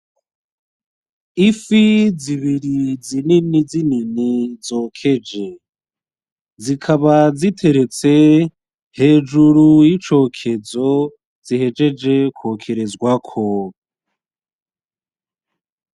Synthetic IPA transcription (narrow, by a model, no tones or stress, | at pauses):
ifiziβiɾizininizininizoːkʰe̞d͡ʒe̞ | zikʰaβazitʰe̞ɾe̞t͡se̞ | he̞ːd͡ʒuɾujit͡ʃo̞ːkʰe̞zo̞ | z̥ihe̞d͡ʒe̞d͡ʒe̞kwo̞kʰe̞ɾezɡwakʰo